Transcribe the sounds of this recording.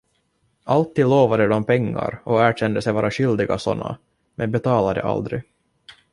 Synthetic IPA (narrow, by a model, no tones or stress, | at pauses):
alt̪ːiːd̪loːvad̪əd̪ɔmpʰɛŋːa̰ɾɔæːɕɛnd̪əsɛjvɑːɾaɕʏld̪ɪɡasɔ̰nːa̰ | mɛnbɛt̪ʰɑːlad̪ə̰ʔa̰ld̪ɾɪ